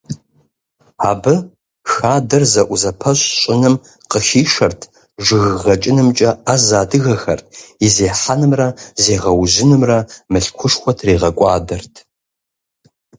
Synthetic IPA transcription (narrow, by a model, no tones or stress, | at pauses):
aːbɨ | xaːdɐrzɐʔʷʊzɐpʰɐɕʼɕʼɪnɨm | qəxiːʂɐrtʰ | ʒɨɣʁɐt͡ʃʼɪnɨmt͡ʃʼɐazaːdɨɣɐxɐrtʰizeːħanɨmrɐzeːʁɐwʑɪnɨmrɐmɨɬkʷʰʊʂxʷɔtʰreːʁɐkʷʼɑːdɐrtʰ